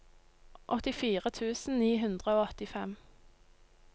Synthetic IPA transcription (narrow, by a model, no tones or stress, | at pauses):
ʔɔt̪ɪfiːʁət̪ʰʉːsn̩niːɦʉnd̪ʁəoːɔt̪ɪfɛm